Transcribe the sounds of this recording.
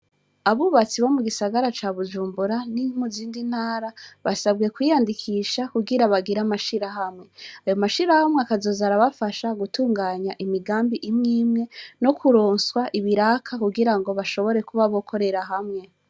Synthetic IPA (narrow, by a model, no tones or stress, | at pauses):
aβuβat͡siβo̞muɡisaɡaɾat͡ʃaːβud͡ʒuːmbuɾaniŋuziːndin̥haːɾaβasab̚ɡe̞kwijandikʰiʃakuɡiɾaβaɡiɾamaʃiɾaɦamŋe̞ajo̞maʃiɾahamweakazo̞zaɾaβafaʃaɡutuːŋɡaːɲaʔimiɡaːmbiʔimŋiːmŋe̞no̞kʰuɾoːnswaʔiβiɾakʰakuɡiɾaŋɡo̞βaʃo̞βo̞ɾe̞kuβaβo̞kʰo̞ɾe̞ɾaɦamŋe̞